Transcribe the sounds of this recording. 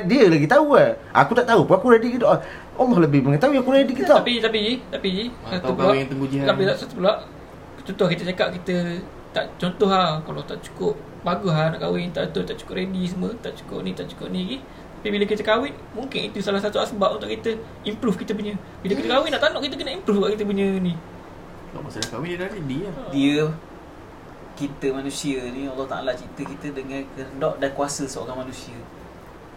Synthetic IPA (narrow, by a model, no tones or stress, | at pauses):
diəlaɡit̪auaʔa̰kut̪aʔt̪aupuakuɾedikidɔʔ | ɔlɔhləbɪhmaŋat̪aujakuɾedikit̪əapit̪apid͡ʒit̪apid͡ʒisat̪uplat̪əŋɡud͡ʒiat̪apit̪aʔsat̪upəlaʔ | t͡ʃɔnt̪ɔhkit̪ət͡ʃakap̚kit̪ə | t̪a̰ʔt͡ʃɔnt̪ɔɦakalat̪aʔt͡ʃu̥kʊp̚ | baɡʊɦanaʔkawɪnt̪aʔət̪ʊnt̪aʔt͡ʃu̥kʊʔɾedis̬əmwət̪aʔt͡ʃu̥kʊ̰ʔ̚nit̪aʔt͡ʃu̥kʊʔniɡi | t̪apibiləkit̪əkawɪn | muŋkɪnit̪usalahsat̪uasəbap̚unt̪ʊʔkit̪ə | impɾufkit̪əpuɲə | biləkit̪əkawɪnaʔt̪anɔʔkit̪əkənəimpɾufɡaʔkit̪əp̬uɲə̃ni | lɔ̰ʔmasənakawɪʔdanidiədiə | kit̪əmanũsiənialːɔht̪a̰ʔa̰lat͡ʃit̪əkit̪ədəŋankəndɔʔdakuasəsəo̰ɾaŋmanũsiə